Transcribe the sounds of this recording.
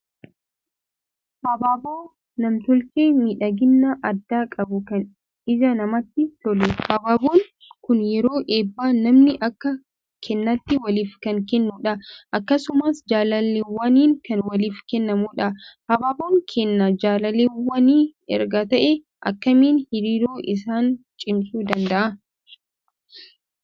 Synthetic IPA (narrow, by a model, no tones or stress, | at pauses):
hɐbaːboː | nɐmt̪ɔlkeːmiːᶑɐɡɪnːɐʔɐd̪ːaːkʼɐbʊkɐn | ɪd͡ʒɐnɐmɐt̪ːɪt̪ɔlɛhɐbaːboːŋ | kʊnjɛɾo̞ːʔeːbːaːnɐmnɪʔɐkːɐ | kʰɛnːɐt̪ːɪwɐliːfkɐŋkɛnːuːᶑɐʔɐkːɐsʊmaːsd͡ʒaːlɐlːeːwɐniːŋkɐnwɐliːfkɛnːɐmuːᶑɐhɐbaːboːŋkʰɛnːɐd͡ʒaːlɐleːwɐniːɛ̰ɾɡɐt̪ɐʔɛ | ʔɐ̰kːɐmiːnhɪɾiːɾoːʔɪs̬aːnt͡ʃʼɪmsʼuːd̪ɐnd̪ɐʔɐ